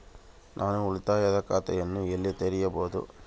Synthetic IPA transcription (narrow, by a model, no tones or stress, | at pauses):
nʔaːnuʊɭut̪ːaːjɐðɐkaːt̪ɐjɐnːuɛlːit̪ɛɾɪjɐboːðṵ